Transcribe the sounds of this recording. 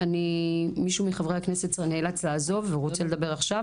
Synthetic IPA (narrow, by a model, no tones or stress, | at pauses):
animiʃumiχavʁehakne̞sett͡sneːlat͡slaːzo̞vːeʁot͡sele̞d̪abe̞ʁaχʃa